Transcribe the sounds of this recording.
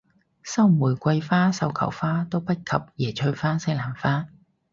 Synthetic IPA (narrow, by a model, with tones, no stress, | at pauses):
sɐ˥wmuː˨˩jkʷɐ˧jfaː˥sɐ˨˧wkʰɐ̰˨˩wfaː˥t̪o˥wpɐ˥t̚kʰɐ˨p̚jɛː˨˩t͡ʃʰɵ˧ɥfaː˥sɪ˥ŋlaː˨˩nfaː˥